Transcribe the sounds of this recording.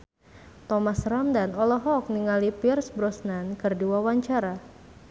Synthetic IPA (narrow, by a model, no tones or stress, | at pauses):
t̪ɔmasramdanɔlɔɦɔk̚niŋalipirsbɾɔsnankɨrdiwawaɲt͡ʃaɾa